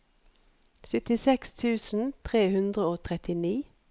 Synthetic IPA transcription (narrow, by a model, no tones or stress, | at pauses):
sʏt̪ɪsɛkst̪ʰʉːsn̩t̪ʰʁeːhʉnd̪ʁəoːt̪ʰʁɛt̪ɪniː